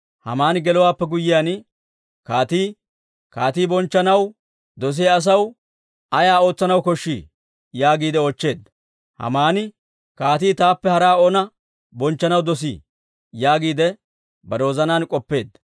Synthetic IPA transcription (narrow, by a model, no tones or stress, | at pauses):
hɐ̰maːnɪɡɛlɔwaːpːɛɡʊjːɪjaːn | kaːt̪iː | kaːt̪iːbɔnt͡ʃːɐnɐw | d̪ɔs̬ɪjaːs̬ɐw | ɐjaːo̞ːt͡sːɐnɐwkɔʃːḭː | jaːɡiːd̪ɛot͡ʃːe̞ːd̪ɐ | hɐ̰maːnɪ | kaːt̪̬iːt̪aːpːɛhɐɾaːonɐ | bɔnt͡ʃːɐnɐwd̪ɔs̬ḭː | jaːɡiːd̪ɛ | bɐɾo̞ːzɐnaːnkʼɔpːe̞ːd̪ɐ